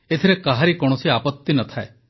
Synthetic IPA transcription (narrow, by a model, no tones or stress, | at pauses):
et̪ʰiɾekaɦaɾikɔɽ̃ɔsiapɔt̪ːinɔt̪ʰae